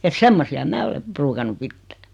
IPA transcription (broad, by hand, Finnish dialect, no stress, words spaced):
et semːosiɑ mæː ole pruːkɑnːu pitːæ̥